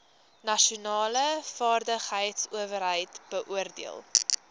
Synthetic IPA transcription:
nɐʃunɑːləfɑːrdəχɦəjtsuəvəɾɦəjtb̥əʔuərdḭə̰lˠ

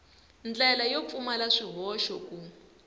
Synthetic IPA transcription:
nd͡ɮɛlajop̪fumalaʂiɦɔʃɔku

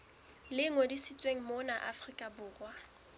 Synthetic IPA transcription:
lɪŋodisit͡sʼweŋ̩monaʔa̰frikʼabʊːrwa

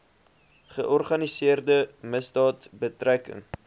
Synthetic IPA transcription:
χəʔɔrχɐnisiərdəməsdɑːtbətrækə̰ŋ

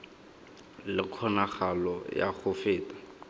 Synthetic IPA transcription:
lɪkʰɔnaχalɔja̰χʊfɪːtḁ

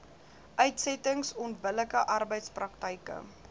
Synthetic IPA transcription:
ʔœɥtsɛtəŋsɔntbələkəʔɐrbəjtsprɐktəjkə̰

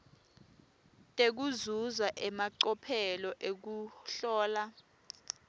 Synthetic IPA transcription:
tʼek̬uzuzaʔɛmaǀɔpʰɛlɔʔek̬uɬɔːla

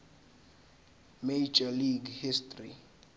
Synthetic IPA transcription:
med͡ʒaliɡhistʼri

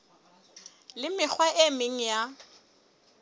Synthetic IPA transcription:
lɪmɪk͡xʰwaʔemɪŋ̩ja

